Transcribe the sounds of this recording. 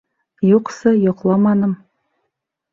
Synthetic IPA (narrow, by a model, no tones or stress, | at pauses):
juqsɤjoqlˠɑmɑnɤm